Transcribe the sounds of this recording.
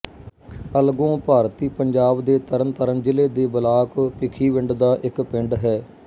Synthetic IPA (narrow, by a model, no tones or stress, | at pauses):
əlɡõːpaːɾt̪iːpəɲd͡ʒaːbd̪eːt̪əɾənt̪əɾənd͡ʒɪleːd̪eːbəlaːkpɪkʰiːʋɪɳɖd̪aːʔɪkpɪɳɖɦɛː